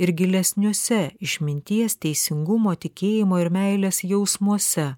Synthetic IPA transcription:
ɪɾɡʲɪlʲɛsʲnʲuɔsʲɛɪʃʲmʲɪnʲt̪ʲiɛst̪ʲɛɪsʲɪŋɡʊmoːt̪ʲɪkʲeːjɪmoːɪɾmʲɛɪlʲeːsjɛʊsmuɔsʲɛ

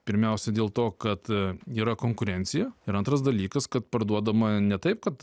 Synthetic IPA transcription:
pʲɪɾʲmʲɛʊsʲɛd̪ʲeːlˠt̪oːkɐt̪iːɾɐkoːŋkʊɾʲɛnʲsʲɪjɛɪɾɐnt̪ɾɐsd̪ɐlʲiːkɐskɐt̪pɐɾd̪uɔd̪ɐmɐnʲɛt̪ɐɪp̚kɐt̪

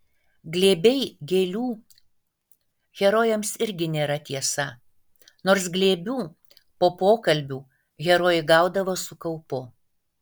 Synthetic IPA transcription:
ɡlʲeːbʲɛɪɡʲeːlʲuː | ɣʲɛɾoːjɛmsɪɾʲɡʲɪnʲeːɾɐt̪ʲiɛsɐ | noːɾsɡlʲeːbʲuː | poːpoːkɐlʲbʲuː | ɣʲɛɾoːjɪɡɑˑʊd̪ɐʋoːsʊkɐʊpʊ

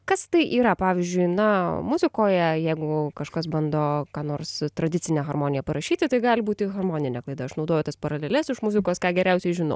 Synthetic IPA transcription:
kɐst̪ɐɪʔiːɾɐpɑːʋʲɪzʲd͡ʒʲʊɪnɐmʊzʲɪkoːjɛjɛɪɡʊkɐʃkɐsbɐnd̪oːkɑːnoːrst̪ɾɐd̪ʲɪt͡sʲɪnʲeːɣɐrmoːnʲɪjɛpɐɾɐʃʲiːt̪ʲɪt̪ɐɪɡɑːlʲɪbuːt̪ʲɪɣɐrmoːnʲɪnʲɛːklˠɐɪd̪ɐɐʃnɐʊd̪oːjɛʊt̪ɐspɐɾɐlʲelʲɛsɪʃmʊzʲɪkoːskɑːɡʲɛɾʲɛʊsʲɛɪʒʲɪnɐ̰ʊ

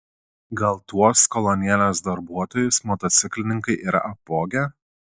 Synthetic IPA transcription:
ɡɐlˠt̪uɔskɔlˠɔnʲɪæˑlʲeːs̬d̪ɐɾbuɔt̪oːjʊsmɔt̪ɔt̪sʲɪklʲɪnʲɪŋkɐɪʔiːɾɐ̰ʔɐpːoːɡʲɛː

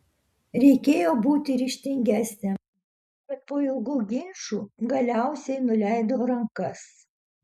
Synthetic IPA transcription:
ɾʲɛɪkʲeːjoːbuːt̪ʲɪɾʲiːʃʲt̪ʲɪŋʲɡʲæːsʲnʲe | bʲɐt̪̚poːjɛlˠɡuːɡʲɪnʲʃuːɡɐlʲæˑʊsʲɛɪnʊlʲæˑɪd̪oːɾɐŋkɐs

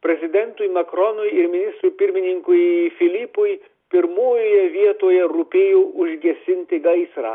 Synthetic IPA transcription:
pʲɾʲɛzʲɪd̪ʲɛnt̪ʊjmɐkɾɔnʊjɪɾmʲɪnʲɪst̪ɾuːpʲɪɾʲmʲɪnʲɪŋkʊjfʲɪlʲiːpʊj | pʲɪɾmoːjoːjɛʋʲiɛt̪oːjɛɾʊpʲeːjoːʊʒʲɡʲɛsʲɪnʲt̪ʲɪɡɐɪsɾɑ̰ː

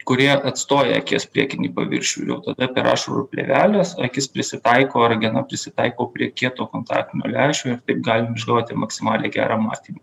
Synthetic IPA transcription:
kʊɾʲiɛʔɐt̪st̪oːjɛ̰ɐ̰kʲiɛspʲɾʲiɛkʲɪnʲiːpɐ̰ʋʲɪ̰ɾʲʃʲṵːjʲɛ̰ʊt̪ɐd̪ɐpʲɛɾɑ̰ːʃuɾṵpʲlʲḛʋʲæːlʲɛsɐkʲɪspʲɾʲɪsʲɪt̪ɐɪkoːɐɾɡʲɪnɐpʲɾʲɪsʲɪt̪ɐɪkoːpʲɾʲiɛkʲiɛt̪oːkoːnt̪ɑ̰ːk̚t̪ʲɪnʲo̰ːlʲæːʃʲoːɪɾt̪ɐɪp̚ɡɑːlʲɪmɪʒɡɑːʋot̪ʲɪmɐksʲɪmɑːlʲeːɡʲæ̰ːɾɑːmɑ̰ːt̪ʲiːmɐ

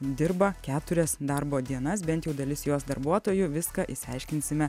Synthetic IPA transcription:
d̪ʲɪɾbɐkʲæːt̪ʊɾʲɛsd̪ɐɾboːd̪ʲiɛnɐsbʲɛnt̪ʲjɛʊd̪ɐlʲɪsjoːsd̪ɐɾbuɔt̪oːjʊʋʲɪskɐʔɪsʲɪɐɪʃʲkʲɪnʲsʲɪmʲɛ

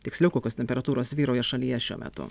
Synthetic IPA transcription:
t̪ʲɪksʲlʲɛʊkoːkʲoːst̪ʲɛmʲpʲɛɾɐt̪uːɾoːsʋʲiːɾoːjɛʃɐlʲijɛʃʲṵɔmʲɛ̰t̪ʊ̰

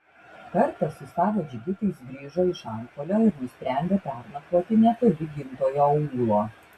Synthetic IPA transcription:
kɐɾt̪ɐsʊsɑːʋoːd͡ʒʲɪɡʲɪt̪ɐɪsɡɾʲiːʒoɪʃɑˑɾpolʲoːɪɾnʊsʲpʲɾʲɛˑnʲd̪ʲeːpʲæˑɾnɐk̪oːt̪ʲɪnʲɛt̪olʲɪɡʲɪnt̪oːjoːuːuːɡlˠoː

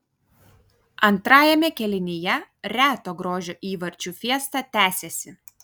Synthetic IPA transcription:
ɐnt̪ɾɑːjɛmʲɛkʲɛlʲɪnʲɪjɛɾʲæːt̪oːɡɾoːʒʲoːʔiːʋɐɾʲt͡ʃʲuːfʲiɛst̪ɑt̪ʲæːsʲɛsʲɪ

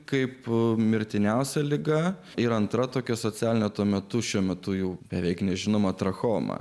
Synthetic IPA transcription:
kɐɪpmʲɪɾʲt̪ʲɪnʲɛʊsʲɛlʲɪɡɐ | ɪɾɐnt̪ɾɐt̪oːkʲɛsoːt͡s̪ʲæːlʲɪnʲɛt̪uɔmʲɛt̪ʊʃʲuɔmʲɛt̪ʊjɛʊbʲɛʋʲɛɪknʲɛʒʲɪnoːmɐt̪ɾɐxoːmɐ̰

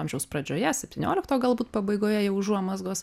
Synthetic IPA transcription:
ɐmʲʒʲɛʊspɾɐd͡ʒʲoːjɛsʲɛpʲt̪ʲɪːnʲoːlʲɪkt̪oːɡɐlˠbuːt̪pɐbɐɪɡoːjɛjɛʊʒuɔmɐzɡoːs

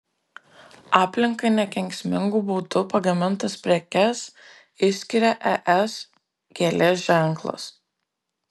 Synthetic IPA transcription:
ɑːpʲlʲɪŋkɐɪnʲɛkʲɛŋʲkʲsʲmʲɪŋɡuːbuːd̪ʊpɐɡɐmʲɪnt̪ɐspʲɾʲɛkʲɛs | ɪsʲkʲɪɾʲɛʔɛʔɛs | ɡʲelʲeːsʒʲæˑŋˑklˠɐ̰s

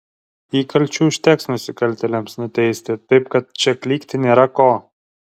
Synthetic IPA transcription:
iːkɐlʲt͡ʃʲuːʃʲt̪ʲɛksnʊsʲɪkɐlʲt̪ʲɛlʲɛmsnʊt̪ʲɛɪsʲt̪ʲɪt̪ɐɪp̚kɐt̪̚t͡ʃʲɛklʲiːkt̪ʲɪnʲeːɾɐkoː

